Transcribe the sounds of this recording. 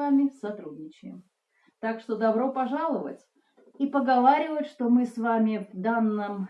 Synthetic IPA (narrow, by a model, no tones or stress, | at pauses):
amʲɪsɐt̪ɾudʲnʲɪt͡ɕɪjɪm | t̪akʂt̪od̪ɐbɾo̞pɐʐalˠəvə̰tʲ | ipəɡɐvaɾʲɪvət̪ʲʂt̪o̞mɨsvamʲɪvd̪anːəm